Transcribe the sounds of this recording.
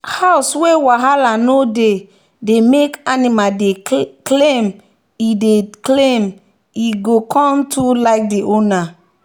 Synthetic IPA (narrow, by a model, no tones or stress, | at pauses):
haʊswewaɦalanode | demekanimadeklẽm | ideklẽm | iɡokʰɔ̃mtʰulaɪk̚diona